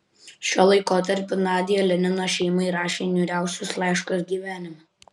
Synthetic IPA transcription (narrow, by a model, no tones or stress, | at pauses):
ʃʲoːlˠɐɪkoːt̪ɐɾʲpʲʊnɑːd̪ʲɪjɛlʲɛnʲɪnoːʃʲɛɪmɐɪɾɑːʃʲeːnʲuːɾʲæˑʊsʲʊslˠɑˑɪʃkosɡʲiːʋʲæːnʲɪmɐ